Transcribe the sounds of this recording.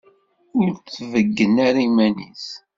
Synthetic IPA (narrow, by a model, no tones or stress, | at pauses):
ʊɾt͡sːvəɡːənaɾimænḭθ